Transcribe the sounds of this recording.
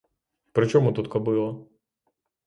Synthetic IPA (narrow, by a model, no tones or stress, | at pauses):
pɾɪt͡ʃɔmut̪ut̪kɔbɪlˠɐ